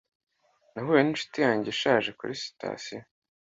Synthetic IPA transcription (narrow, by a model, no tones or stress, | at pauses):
naɦujeninʃu̥tijaːɲɟeʃaːʒe̞kṵɾisi̥tʰa̰ːsijo